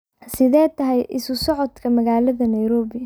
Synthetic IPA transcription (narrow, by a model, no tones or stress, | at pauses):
sɪðɛːt̪ʰɐɦɛjʔɪ̰sʊsɔʕɔd̪kʰɐmɐɣaːlɐðɐnɐjɾɔːβɪɐ